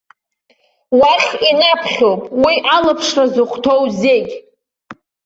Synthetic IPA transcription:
waχʲinapʰχʲowpʼwiʔalapʰʂrazɨqʰʷʼtʰowzeɡʲ

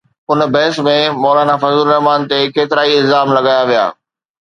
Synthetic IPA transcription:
ʊnbɛːsmẽmɔːlaːnafɐzuːlnɐɦmaːnt̪ekʰeːt̪ɪɾaːiɪlzaːmlɐɡaːjaʋija̰ː

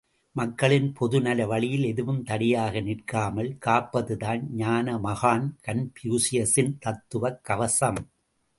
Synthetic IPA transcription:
mɐkːɐɭɪnpʰɔðɯnɐlɐʋɐɭɪjɪlɛðɯʋɯmt̪ɐɽɪjaːɣɐnɪrkaːmɐɭkaːpːɐðɯðaːnɲaːnɐmɐɣaːnkɐnpjuːsɪjɐsɪnt̪ɐt̪ːɯʋɐkːɐʋɐsɐm

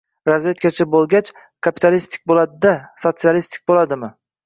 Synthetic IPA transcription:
ɾazve̞t̪̚kʲat͡ʃʰabolˠɡʲat͡ʃ | kʰapi̥t̪ʰalist̪ʰɪ̥k̚ʲbolˠad̪ɪd̪aso̞t̪sialist̪ʰɪ̥k̚ʲbolad̪ɪmɪ

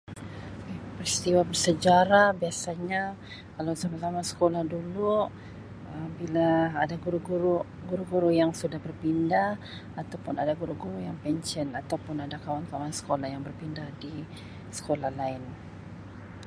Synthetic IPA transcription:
pəɾist̪iwabərsəd͡ʒaɾabiasaɲa | kalawsamazamasə̥kolahdulu | əmbilaːdaɡuɾuɡuɾu | ɡuɾuɡuɾujaŋsudahbərpindah | at̪awpʊnadaɡuɾuɡuɾujaŋpɛnt͡ʃənat̪awpʊnadakawankawansə̥kolahjaŋbərpindahdi | sə̥kolahlaɪn

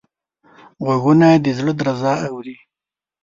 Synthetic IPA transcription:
ɣaɣunad̪əzɭod̪ɾazɑawɾi

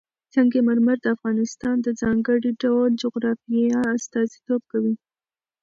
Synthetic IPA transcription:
t͡səŋɡemaɾmaɾd̪əafɣɑnɪst̪ɑnd̪əd͡zɑŋɡəɽiɖawld͡ʒʊɣɾɑfiaːst̪ɑzit̪ob̚kawi

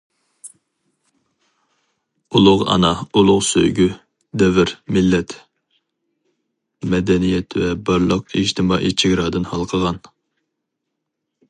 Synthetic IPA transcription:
ulˠʊʁɑ̰nɑulˠʊʁsø̰jɡʲy | d̪ɛvɪɾmɪlːɛt̪ | mɛd̪ɛnijɛt̪vɛbɑɾlˠəqid͡ʒt̪ʰɨmɑːʔḭt͡ʃʰɪɡʲɾɑd̪ɨnhɑlˠqʰəʁɑn

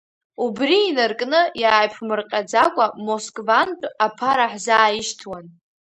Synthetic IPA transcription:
ubriːnarkʼnɨjaːjpʰmɨrqʲʼad͡zakʷʼamo̞skʼvantʼapʰaɾaħzaːjɪʃtʰwan

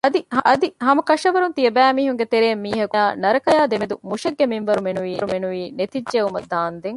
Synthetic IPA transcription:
ɐd̪iɦɐʔɐd̪iɦɐmɐkɐʃɐʋɐɾunt̪iɐbæːmiːɦuŋɡet̪eɾeːmːiːɦɐkuaːnɐɾɐkɐjaːd̪emed̪umuʃɐɡːeminʋɐɾumenuʋiːɾumenuʋiːnet̪iːeumɐd̪aːnd̪eŋ

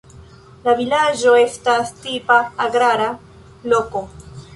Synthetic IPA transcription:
lavilad͡ʒo̞e̞stastipaːɡɾaɾa | lo̞ko̞

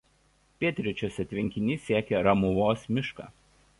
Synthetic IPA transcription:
pʲiɛt̪ʲɾʲɪt͡ʃʲoːsɐt̪ʲʋʲɪŋʲkʲɪnʲiːsʲiɛkʲeɾɐmʊʋoːsmʲɪʃkɑ̰ː

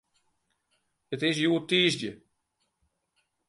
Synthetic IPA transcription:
ətɪs̬juətiːzdjə

